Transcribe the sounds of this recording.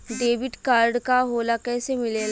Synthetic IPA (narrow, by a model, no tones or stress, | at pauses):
ɖeːʋɪɖkaːɾɖkaɦolakɛːsemɪleːl